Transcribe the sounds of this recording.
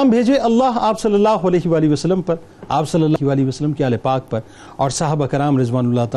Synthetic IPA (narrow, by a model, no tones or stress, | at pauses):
mbʱeːd͡ʒeʔɐlːaːɦaːpsɐlːɐlːaːɦoɐlɛːɦiʋaːliʋɐsəlːəmpɐɾ | aːpsɐlːəlːaːɦiʋaːliʋɐsəlːəmkeaːlepaːk̚pɐɾ | ɔːɾsɐɦəbakɐɾaːmɾɪzʋaːnʊlːaːt̪a